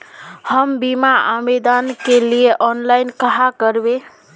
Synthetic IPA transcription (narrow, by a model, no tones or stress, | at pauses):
həmbimaamed̪ankelieʔɔnlajnkəɦakəɾbe